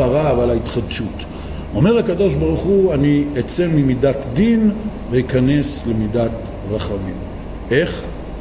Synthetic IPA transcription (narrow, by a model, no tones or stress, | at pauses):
aʁaːvalait̪χad̪ʃut̪ | o̞me̞ʁhakado̞ʃbaʁuχuaniet͡semimidat̪d̪in | veikane̞slemidat̪ | ʁaχamim | e̞χ